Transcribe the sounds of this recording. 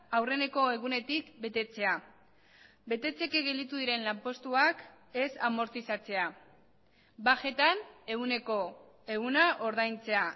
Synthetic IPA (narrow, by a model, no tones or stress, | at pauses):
awre̞ne̞ko̞e̞ɣunet̪ikbe̞t̪e̞t͡se̞a | be̞t̪e̞t͡se̞keɣe̞ld̪it̪uðiɾe̞nlampo̞st̪uak | e̞samo̞ɾt̪isat͡se̞a | baxe̞t̪aneɣuneko | eɣunaʔo̞ɾðajnt͡se̞a